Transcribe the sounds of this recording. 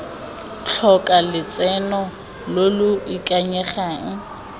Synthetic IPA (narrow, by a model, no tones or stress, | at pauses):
t͡ɬʰɔkʼalɪt͡sʼɛnɔ | lolʊikʼaɲɛχaːŋ̩